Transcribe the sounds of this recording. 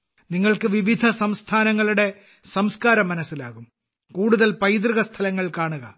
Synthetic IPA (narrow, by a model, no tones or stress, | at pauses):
niŋːɐɭkɨʋiʋid̪ʱɐsɐmst̪ʰaːnɐŋːɐɭuɽe̞ | sɐmskaːɾɐmːɐnɐsːilaːɣum | kuːɽuðɐlpɐjd̪̬rɨɣɐst̪ʰɐlɐŋːɐɭkaːɳuɣɐ̰